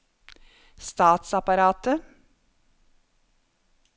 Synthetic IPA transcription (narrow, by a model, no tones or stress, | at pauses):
st̪ɑːt̪sɑpɑɾɑːt̪ə